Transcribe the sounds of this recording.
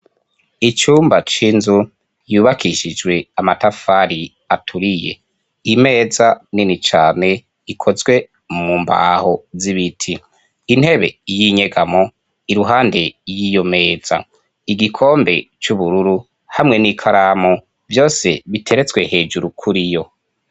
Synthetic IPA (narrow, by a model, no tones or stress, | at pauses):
it͡ʃuːmbat͡ʃiːnzu | juːβakʰiʃid͡ʒwe̞amatafaɾi | atʰuɾije̞̰ | ime̞ːzaninit͡ʃaːne̞ | ikʰo̞zwe̞ | mumba̰ho̞ziβitʰiː | n̥he̞βe̞̰jiɲeɡamo | iɾuɦaːnde̞jijo̞me̞ːz̥a̰ | iɡikʰo̞ːmbe̞t͡ʃuβuɾuɾu | hamŋe̞nikʰaɾamo | vjo̞ːse̞βitʰe̞ɾet͡sɡwe̞he̞ːd͡ʒuɾukʰuɾijo̞